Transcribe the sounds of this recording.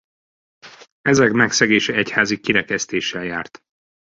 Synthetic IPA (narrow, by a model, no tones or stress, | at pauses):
ɛzɛkmɛksɛɡeːʃɛɛchaːzikiɾɛkɛst̪eːʃːɛljaːrt̪